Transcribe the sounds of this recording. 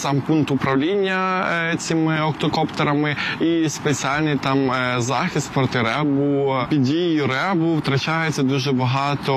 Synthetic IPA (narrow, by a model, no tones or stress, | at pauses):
sɑmpunk̚t̪ʊpɾɐwlʲinʲːɐt͡sʲimɪɔkt̪ɔkɔpt̪eɾɐmɪispet͡sʲialʲnɪjt̪ɑmzɑxʲist̪̚pɾɔt̪ɪɾɛbʊpʲidʲijjʊɾɛbʊwt̪ɾɐt͡ʃajet͡sʲːɐd̪uʒɛbɐɦɑt̪ɔ